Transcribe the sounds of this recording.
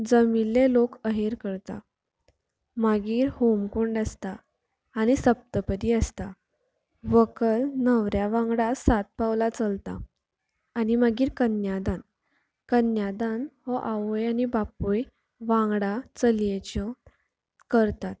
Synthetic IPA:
d͡zəmilːelokəɦeɾkəɾt̪a̰ | maɡiːɾhomkuɳɖəst̪a | añisəp̚t̪əpəd̪iəst̪a | ʋəkəlnəʋɾjaʋãŋɡɽasat̪̚pawlat͡səlt̪a̰ | animəɡiːɾkənjad̪an | kənjad̪anɦɔʔaʋojanibapuj | ʋãŋɡɽat͡səljet͡ɕə | kəɾt̪at̪̚

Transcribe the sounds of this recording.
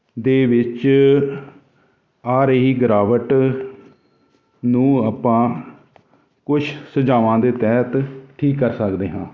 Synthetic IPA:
d̪eːʋɪt͡ʃ | aːɾeːɦiːɡəɾaːʋəʈ | nũːaːpãː | kʊt͡ʃʰsəd͡ʒaːʋãːd̪eːt̪ɛːt̪ʈʰiːkːəɾsəkd̪eːɦãː

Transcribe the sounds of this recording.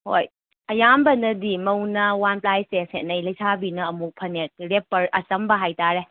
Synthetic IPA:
ho̰j | ɐjambɐnɐdimɐwnɐwanplajseshet̚nɐjlɐjsʰabinɐːmuk̚pʰɐnet̚ɾepːɐɾɐsɐmbɐɦajtaɾe

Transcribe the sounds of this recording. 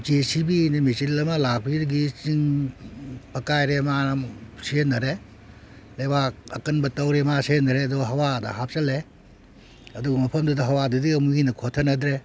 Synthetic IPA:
d͡ʒesibinimit͡ʃillɐmɐlak̚biɾɡit͡ʃiŋ | pɐkajɾemasinːɐɾe | lejbaɐ̰kɐnbɐtɐwɾemasienɐɾeɐduɡɐɦɐwadɐ̰ɦap̚t͡ʃɐle | ɐduɡɐmɐpʰɐmdudɐɦɐwadudiɐmuinɐkʰotʰɐnɐdɾe

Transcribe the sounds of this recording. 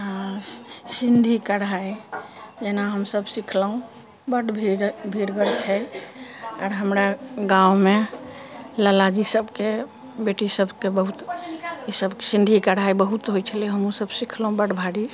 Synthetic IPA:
ɦãsind̪ʱikəɽaid͡ʒenaɦəmsəbsikʰləɦũ | bəɽbʱiɾbʱiɾɡəɾt͡ʃʰɛ | aɾɦəmɾaɡawme | ləlad͡ʒisəbke | beʈisəbkebəɦut̪isəbkesĩnd̪ʱikəɽaibəɦut̪ɦojt͡ʃʰəliɦəmũsəbsikʰləɦũbəɽbʱaɽi

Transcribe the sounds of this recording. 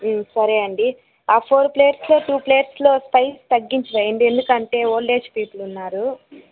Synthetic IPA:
sɐɾeːɐɳɖi | aːpʰoːɾple̞ːʈslo̞ːʈuːpleːʈslo̞ːspɐjst̪ɐɡːiɲt͡ʃiʋɐjeɳɖ̪ie̞nd̪ukɐɳʈe̞ːoːɭɖe̞ːt͡ʃpiːpulunːaːɾu

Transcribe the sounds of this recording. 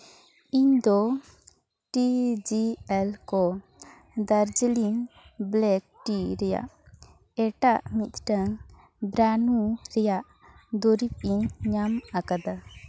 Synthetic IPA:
iɲd̪ɔ | ʈid͡ʒiɛlkɔ | d̪aɾd͡ʒilinblɛk̚ʈiɾɛja̰ʔ | ɛʈaʔmit̪ʈaŋ | bɾanuɾɛjaʔ | d̪ɔɾip̚iɲɲamakad̪a

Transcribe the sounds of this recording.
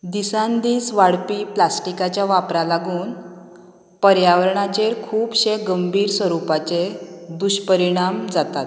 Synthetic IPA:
d̪isãnd̪iːsʋaɽpiːplasʈikat͡ɕjaʋapɾalaɡuːn | pəɾjaʋəɾɳat͡ɕeɾkʰuːbɕeɡəmbʱiːɾsʋəɾupat͡sed̪uɕpəɾiɽ̃amd͡zat̪at̪

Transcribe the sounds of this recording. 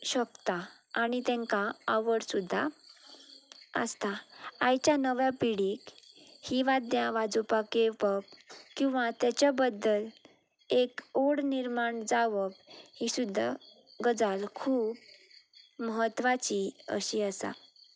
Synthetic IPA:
ɕəkt̪aː | ɽ̃it̪ɛ̃ŋkaəʋəɽsud̪ʱːa | ə̰st̪aajt͡ɕjanəʋjapiɽikhiʋad̪jãʋad͡zupakepəp̚kĩw̃ʋat̪jat͡ɕjabəd̪ːəl | ekoɽniɾmaɳd͡zaʋəbhisud̪ʱːa | ɡəd͡zalkʰuːp | məɦət̪ːʋat͡ɕiə̰ɕiəsa̰

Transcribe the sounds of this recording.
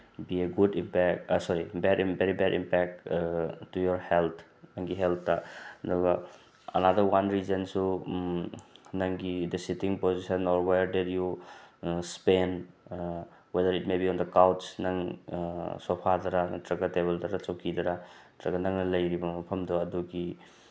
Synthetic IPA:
bieɡudimpɛsɔɾibɛdbeɾibɛdḭmpɛk̚ | tːujɔɾhelt̪ʰ | nɐŋɡiɦelt̪̚ʰdɐdɔɡɐ | ɐ̰nadɐɾwanɾizɐnsu | nɐŋɡidɐsitiŋpozisɐnɔɾwejɾdidju | spen | wedɐɾitmebiɔndɐkawtsnɐŋ | sɔpʰadɐɾɐtɾɐɡɐtebɐldɐɾɐt͡ʃɐwkʰidɐɾɐ | tɾɐɡɐnɐŋnɐlɐjɾibɐmɐpʰɐmdɔɐduɡi

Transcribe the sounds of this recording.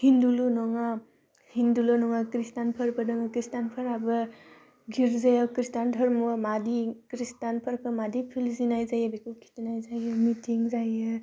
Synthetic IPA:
hindulunɔŋa | hindulunɔŋakɾistanpʰəɾbɯdɔŋakɾistanpʰaɾabɯ | ɡiɾzajawkɾistandʰʱɔɾmumadikɾistanpʰəɾkʰɯmadipʰilzinajzajabikʰɯkʰi̥tinajzajɯmitʰiŋzajɯ

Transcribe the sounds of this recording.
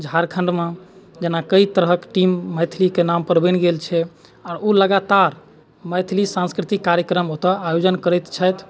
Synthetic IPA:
d͡ʒʱaɾkʰəɳɖmed͡ʒenakəit̪əɾɦəkʈimːəjt̪ʰlikenampəɾbə̃nɡelt͡ʃʰɛ | aɾoləɡat̪aɾ | məjt̪ʰilisãnskɾit̪ikːaɾjəkɾəmɦot̪əajod͡ʒənkəɾɛt̪t͡ʃʰəjt̪ʰ

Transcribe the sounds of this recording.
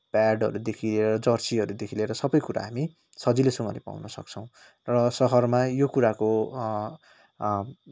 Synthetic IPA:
paɖʌ̰ɾud̪ekʰileɾʌd͡zʌrsiɦʌɾud̪ekʰileɾʌsʌbʌjkuɾa̰ɦami | sʌd͡zilesʌŋʌ̰lepa̰wnʌsʌ̰k̚t͡sʰʌ̃w̃ | rʌsʌɦʌrmajokuɾako

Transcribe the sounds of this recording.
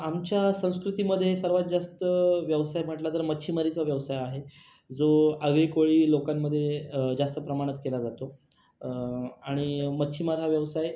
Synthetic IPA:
amt͡ɕjasə̃w̃skɾut̪iməd̪ʱːjesəɾʋat̪̚d͡zast̪əʋjəʋsajm̤əʈlat̪əɾmətːɕʰimaɾit̪ɦaʋjəʋsajaɦe | d͡zoəɡɭekoɭiːlokamːəd̪ʱːjed͡zast̪əpɾəmaɽ̃ət̪kelad͡zat̪o | aɽ̃imətːɕʰimaɾɦaʋjəʋsaj

